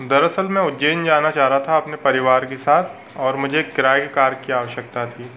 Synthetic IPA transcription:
d̪ɐɾɐsəlmɛ̃ʊd͡ʒeːnd͡ʒaːnat͡ʃaːɦɾat̪ʰaɐpnepɐɾɪʋaːɾkesaːt̪ʰ | ɔːɾmʊd͡ʒʱekɪɾaːjkekaːɾkiaːʋəʃjək̚t̪at̪ʰiː

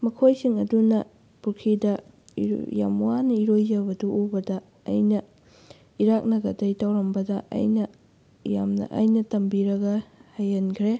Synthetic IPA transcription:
mɐkʰojsiŋɐdunɐ | puɾkʰidɐ̰ | ja̰mwanɐiɾojzɐbɐduʔubɐdɐ̰ː | jnɐ | iɾak̚nɐɡɐdɐjtʰawɾɐmbɐdɐʔɐ̰jnɐ | ja̰mnɐ̰ʔɐ̰jnɐtɐmbiɾɐɡɐhajɐnkʰɾe

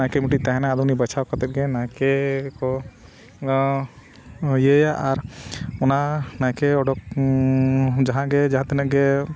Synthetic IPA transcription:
ãkɛmiʈiʔ̚t̪aɦɛnaad̪ɔnibat͡ʃʰawkat̪ɛt̪̚ɡɛnajkɛkɔ | jəjaʔaɾɔnanaj̃kɛɔɖɔk̚ | d͡ʒaɦãɡɛd͡ʒaɦãt̪ɛnɛʔ̚ɡɛ

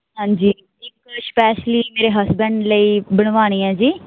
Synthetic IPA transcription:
ɦãːɲd͡ʒiː | ɪkspɛːʃliːmeːɾeːɦəsbə̃ɳɖləiːbəɽ̃ʋaːɽ̃iːɛ̃ːd͡ʒiː

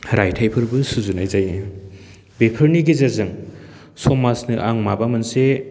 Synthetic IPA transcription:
ɾajtʰajpʰɯɾbɯsuzunajzaj | bepʰɯɾniɡizazɯŋ | sɔmasnɯʔaŋmabamɐnse

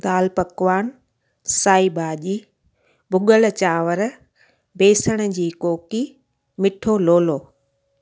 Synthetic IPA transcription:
d̪aːlpɐkʋaːn | saːibaːʄiː | bʱʊɠəlt͡ɕaːʋəɾ | beːsəɽ̃ə̆d͡ʑiːkoːki | mɪʈʰoloːloː

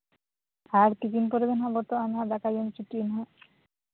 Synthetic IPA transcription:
aɾt̪ikinpoɾebenɦabɔɾt̪oanɦad̪akajont͡ɕiʈːiːnɦa

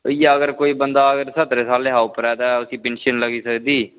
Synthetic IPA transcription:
ijaəɡəɾkoːiːbənd̪aːəɡəɾsət̪ɾeːsaːleːɦaːupəɾɛːd̪aːʊsiːpẽːnʃənləɡiːsəkd̪iː

